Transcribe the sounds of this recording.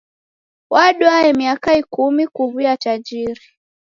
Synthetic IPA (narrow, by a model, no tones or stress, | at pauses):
waɗuaɛmiakaikumikuβijatad͡ʒiɾi